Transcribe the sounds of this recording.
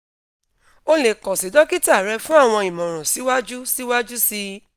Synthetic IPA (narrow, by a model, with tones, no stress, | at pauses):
o˧le˨kɔ˨si˨˦dɔ˨˦ki˦ta˦˨ɾɛ˧fũ˦a˦˨w̃ɔ̃˧i˨mɔ̃˨ɾ̃ɔ̃˨si˨˦wa˦d͡ʒu˦si˦wa˦d͡ʒu˦si˧